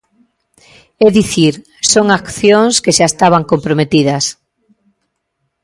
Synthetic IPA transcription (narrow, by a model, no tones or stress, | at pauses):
ɛðiθiɾ | soŋakθjõŋskeʃaest̪aβ̞aŋkompɾomet̪iðɐs